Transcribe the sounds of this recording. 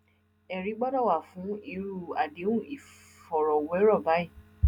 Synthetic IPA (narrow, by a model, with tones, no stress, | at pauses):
ɛ˨ɾi˨˦ɡ͡bɔ˦dɔ˦˨wa˦˨fũ˨˦i˦˨ɾu˦˨a˨de˨˦ũ˦˨i˨ | fɔ˨ɾɔ˨wɛ˨˦ɾɔ˦˨ba˨˦i˦˨